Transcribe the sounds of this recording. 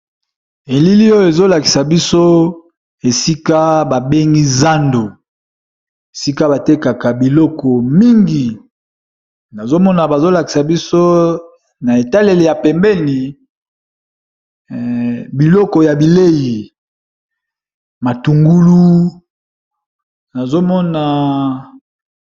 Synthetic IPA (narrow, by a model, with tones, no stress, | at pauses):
e˨li˦li˦o˦jo˨e˨zo˦la˨ki̥˨sa˨bi˦so˦ | e˨si˦ka˦ba˨be˦ŋɡi˦za˦ndo˨ | e˨si˦ka˦ba˨te˦ka˨ka˨bi˨lɔ˦kɔ˨mi˦ŋɡi˨ | na˨zo˦mɔ˦na˨ba˨zo˦la˨ki˨sa˨bi˦so˦ | na˨e˨ta˦le˨le˨ja˨pɛ˨mbɛ˦ni˨ | bi˨lɔ˦kɔ˨ja˨bi˨le˦ji˨ | ma˨tu˨ŋɡu˦lu˦ | na˨zo˦mɔ˦na˨